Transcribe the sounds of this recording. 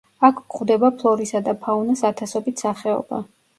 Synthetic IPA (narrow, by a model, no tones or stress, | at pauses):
akʰɡχvd̪ɛbapʰlˠɔɾisad̪apʰaunasat̪ʰasɔbit̪ʰsaχɛɔ̰ba̰